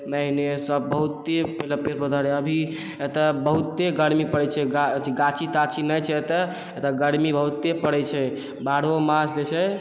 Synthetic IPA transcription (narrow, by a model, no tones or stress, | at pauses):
məɦinesəbːəɦut̪ːepeləpeɾpəd̪ʱəɾeəbʱi | et̪əbəɦut̪ːeɡəɽmipəɽɛt͡ʃʰɛɡaiɡat͡ʃʰit̪at͡ʃʰinəjt͡ʃʰɛt̪ə | et̪əɡəɽmibəɦut̪ːepəɽɛt͡ʃʰɛ | baɽomasd͡ʒet͡ʃʰɛ